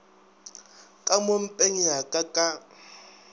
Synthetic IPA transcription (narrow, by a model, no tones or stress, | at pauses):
kʼamom̩pʼeŋiɦakʼakʼa